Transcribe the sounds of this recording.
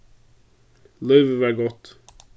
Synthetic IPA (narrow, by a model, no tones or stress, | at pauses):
lœːvəʋæːɡɔt̪